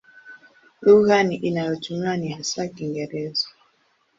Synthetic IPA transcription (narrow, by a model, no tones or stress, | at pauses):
luɣaniʔinajɔtumanihasakiŋɡɛɾɛzɔ